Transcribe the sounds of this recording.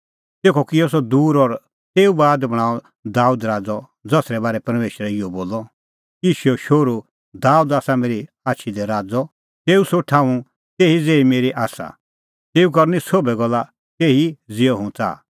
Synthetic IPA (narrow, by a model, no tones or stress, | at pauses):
t̪eːkʰɔkiɔs̬ɔd̪uːɾɔɾ | t̪eːubaːd̪bɐɽ̃aːɔ | d̪aːuːd̪ɾaːd͡zɔ | d͡zɐsɾɛbaːɾɛpɐɾmeːʃɾɛiɔboːlɔ | iːʃuɔʃoːɾu | d̪aːuːd̪aːsameːɾi | aːtːʃʰid̪ɛɾaːd͡zɔ | t̪eːusoʈʰãːũ | t̪eːɦid͡zeːimeːɾiʔaːsa̰ | t̪eːukɐɾnisoːbɛɡɔlːa | t̪eːɦid͡zɪɔɦʊ̃t͡sa̰ː